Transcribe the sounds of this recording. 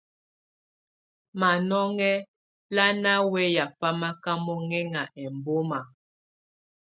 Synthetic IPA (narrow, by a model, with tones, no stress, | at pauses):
ma˨nɔ˦ŋɛ˦ | la˦na˦wɛ˦ja˨fa˦ma˦ka˦mɔ˦ŋɛ˦ŋa˨ʔɛ˨mbo˦ma˨